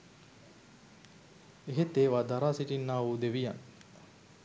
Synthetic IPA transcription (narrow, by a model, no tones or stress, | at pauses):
eɦet̪eːʋaːd̪aɾaːsiʈinːaːʋuːd̪eʋija̰n